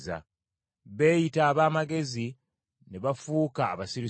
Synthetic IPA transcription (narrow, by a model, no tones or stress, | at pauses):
za̰ | βe̞ːjitaːβaːmaɡe̞zi | neβafuːkaːβasiɾi